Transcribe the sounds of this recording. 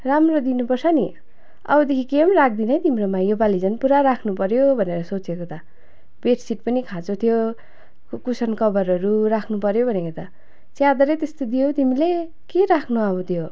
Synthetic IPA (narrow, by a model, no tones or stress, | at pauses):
ramrod̪inupʌrsʰʌni | ʌ̰bʌd̪ekʰikemrak̚ʰd̪inʌjt̪imɾomajobalid͡zʌnpuɾaɾakʰnupʌɾjobʱʌneɾʌsot͡sjekot̪ʌ | beʈsiʈ̚pʌnikʰãt͡sot̪ʰijo | kusʌnkʌbʌɾʌɾuɾakʰnupʌɾjobʱʌnekot̪ʌ | t͡sjad̪ʌɾet̪est̪od̪ijot̪imile | keɾakʰnuʌbʌt̪ʰjo